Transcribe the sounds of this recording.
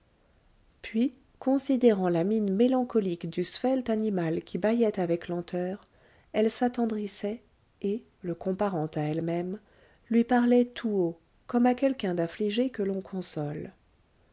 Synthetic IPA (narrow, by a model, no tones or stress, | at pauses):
pɥi | kɔ̃sid̪eʁɑ̃laminmelɑ̃kɔlikd̪ysfɛlt̪animalkʲʰibajɛt̪avɛklɑ̃t̪œːʁ | ɛlsat̪ɑ̃d̪ʁisɛ | e | ləkɔ̃paʁɑ̃t̪aɛlmɛm | lɥipaʁlɛt̪ʰuo | kɔmakʲɛlkʲɛ̃d̪ãfliʒekəlɔ̃kʰɔ̃sɔl